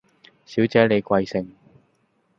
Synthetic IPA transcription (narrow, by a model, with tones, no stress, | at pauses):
siː˨˥wt͡sɛː˨˥le˨˧jkʷɐ˧jsɪ˨ŋ